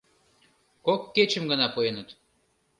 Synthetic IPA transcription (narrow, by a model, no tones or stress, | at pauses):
kokːet͡ɕə̆mɡənɑpuenət̪